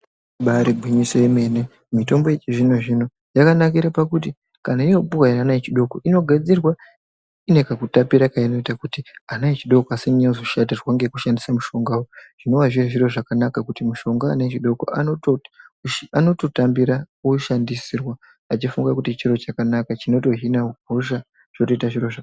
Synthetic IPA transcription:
ɓaɾibʱwiɲiseime̞ne | mito̞mbo̞jet͡ʃiʐino̞ʐino̞ | jakanakiɾapakuti | kanaijo̞pukainanait͡ʃiɗo̞koino̞ɡʱad͡zirwa | ine̞kakutapiɾakaino̞itakutianait͡ʃiɗo̞koaseɲozoʃatirwaŋɡe̞kuʃandisamuʃo̞ŋɡaoʐ̥ino̞waʐiaʐiɾo̞ʐakanakakutimuʃo̞ŋɡaːnaet͡ʃiɗo̞ko̰ʔa̰noto | ano̞to̞tambiɾa | uʃandisirwa | at͡ʃifuŋɡakutit͡ʃiɾo̞t͡ʃakanakat͡ʃino̞to̞ɦinauɡ̚ʱoʃa | ʐ̥oto̞itaʐiro̞ʐa

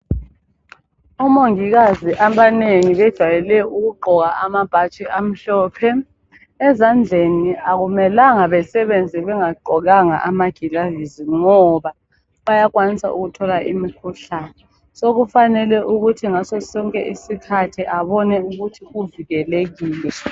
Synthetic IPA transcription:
ɔmoŋiɣaziʔaɓaneŋiβɛd̥ʒ̥ʱwajɛlɛjɔuɣuǃʱɔɣaamab̥ʱat͡ʃʼiʔam̩ɬɔːpʰɛː | zand͡ɮʱeniaɣ̬umɛlaŋaβɛsɛβend͡zʱiβɛŋaǃʱɔɣaŋa̰ʔamaɡ̥ʱilaviziŋɔβa | βajakwanisa̰ʔṵɣutʰɔlaʔḭmikʰuɬaːnɛ | soɣufanɛlɛʔuɣutʰiŋasɔsɔŋkʼɛ̰ʔisikʰatʰiʔaβɔnɛuɣutʰiɣuviɣɛleɣiːlɛ

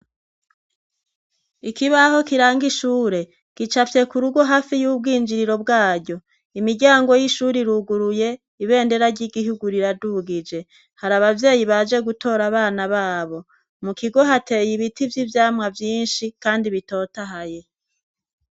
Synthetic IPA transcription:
ikiβaho̞kiɾaːŋɡiʃuːɾe̞ | kit͡ʃafje̞kuɾuɡwo̞ɦaːfijuːb̚ɡiːnd͡ʒiɾiɾo̞bɡaːɟɟo̞ | imiɟaːŋɡo̞jiʃuːɾiɾuɡuɾuje̞ | iβe̞ːnde̞ɾaɾɟiɡiɦuɡuɾiɾaduɡid͡ʒe̞ | haɾaβavje̞ːjiβad͡ʒe̞ɡutʰo̞ːɾaβaːnaβaːβo̞ | mukiɡo̞ɦate̞ːjiβitivjivjaːmŋavjiːnʃikaːndiβito̞ːtaɦaje̞

